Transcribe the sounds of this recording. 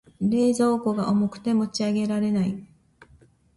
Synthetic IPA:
ɾe̞ːzo̞ːko̞ɡaʔomo̞kɯ̟̥t̪e̞mo̞t͡ɕiaɡe̞ɾaɾe̞nai

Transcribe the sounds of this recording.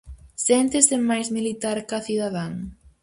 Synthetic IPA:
sent̪ɪsɪmajzmilit̪aɾkaθiðaðaŋ

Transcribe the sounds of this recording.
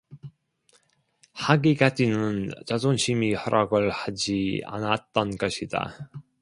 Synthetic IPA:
haɡiɡ͈ad͡ʑinɯnt͡ɕazonɕʰimihʌɾaɡɯɭhad͡ʑia̰nat̚t͈ʌnɡʌɕʰida̰

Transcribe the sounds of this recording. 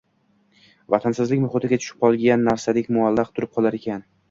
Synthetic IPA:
vat̪ʰansɪzlɪkʲnʊχʊt̪ʰɪɡʲat͡ʃ̪ʰʊ̥ʃɪ̥p̚qʰɒlˠɡʲanːaɾsad̪ekʲmʊalˠːɑqt̪ʰʊɾɪp̚qʰɒlˠaɾe̞kʲʰan

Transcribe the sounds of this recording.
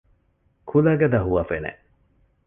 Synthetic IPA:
kʰulɐɡɐd̪ɐɦuʋɐfenḛ

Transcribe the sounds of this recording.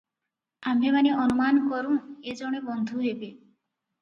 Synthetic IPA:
amemaneɔnumankɔɾuŋed͡ʒoɽ̃ebɔnd̪ʱuɦebe

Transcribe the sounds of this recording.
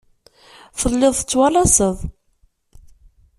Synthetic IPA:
fəlːɪðˤθət͡sːwɑlɑsəðˤ

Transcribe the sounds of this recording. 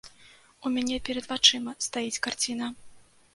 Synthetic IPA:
umʲanʲɛpʲɛɾɐd̪vat͡ʂɨmɐst̪ajit͡sʲkart͡sʲin̪ɐ

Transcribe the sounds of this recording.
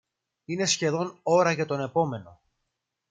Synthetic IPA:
ine̞sçe̞ðo̞no̞ɾɐʝɐt̪o̞ne̞po̞me̞no̞̰

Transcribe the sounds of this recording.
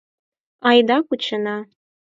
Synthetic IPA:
ɑjd̪ɑkut͡ɕɤnɑ

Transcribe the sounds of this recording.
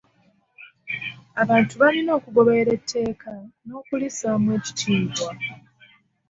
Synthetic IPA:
aβaːntuβalino̞ːkuɡo̞βe̞ɾe̞tʰːe̞ːkano̞ːkulisaːmwe̞ːci̥tiːtwa

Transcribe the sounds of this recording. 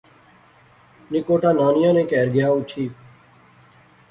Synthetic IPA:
nɪkoːʈaːnaːnɪjãːnẽːkɛːɾɡɪjaːʊt͡ʃʰiː

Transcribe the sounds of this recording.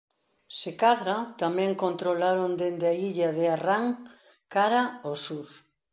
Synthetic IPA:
sekaðɾat̪amɛ̃ŋkont̪ɾolaɾond̪end̪ɪaiʎaðɪaraŋ | kaɾaosuɾ

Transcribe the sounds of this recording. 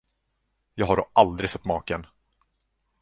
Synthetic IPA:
jɑːɡɦaɖɔʔald̪ɾɪɡsɛt̪ːmɑːkən

